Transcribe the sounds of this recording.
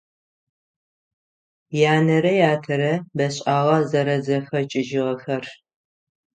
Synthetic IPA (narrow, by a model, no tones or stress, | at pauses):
jaːnɐɾɐjaːtʰɐɾɐbɐɕʼaːʁɐzɐɾɐzɐxɐt͡ʃʼɪʒɪʁɐxɐr